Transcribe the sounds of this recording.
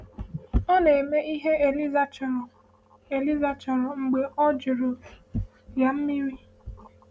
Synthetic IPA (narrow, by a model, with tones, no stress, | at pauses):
ɔ˦ne˨e˨me˦ʔi˦ɦe˦e˨li˦za˨t͡ʃ | e˨li˦za˨t͡ʃɔ˨ɾɔ˨ŋ͡m̩˨ɡ͡be˨ɔ˦d͡ʒi˨ɾo˨ | ja˨m̩˦mi˦ɾi˦